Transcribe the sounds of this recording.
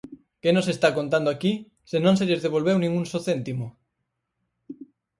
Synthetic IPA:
kenosest̪akont̪and̪oaki | senõnselezðeβ̞olβewnĩŋunsoθent̪imo

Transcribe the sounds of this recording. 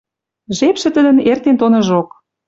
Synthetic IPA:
ʒepʃɘ̆t̪əd̪ə̆nert̪ent̪onə̆ʒok

